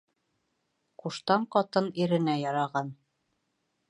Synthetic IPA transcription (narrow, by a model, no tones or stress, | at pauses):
quʃt̪ɑɴqɑt̪ɤniɾɘ̆næjɑɾɑʁɑn